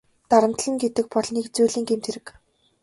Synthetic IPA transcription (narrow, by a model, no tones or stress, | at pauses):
t̪aɾə̆m̥t̪ɮə̆ŋɡet̪ɘ̆k̚pɔɮniːkt͡sujɮiːŋɡemt̪ʰeɾɘ̆k